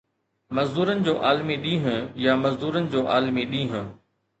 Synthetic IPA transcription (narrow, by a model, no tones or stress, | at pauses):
mɐzd̪uːɾənɪ̆d͡ʑoːʔaːlmiɗĩːɦʊ̃jamɐzd̪uːɾənɪ̆d͡ʑoːʔaːlmiɗĩːɦʊ̃